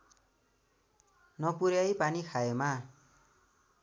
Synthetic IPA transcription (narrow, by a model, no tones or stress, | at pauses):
nʌpuɾjajpanikʰaema